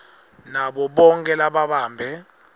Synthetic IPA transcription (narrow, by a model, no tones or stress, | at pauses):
naɓɔɓɔŋkʼɛlaɓaɓaːmbʱɛ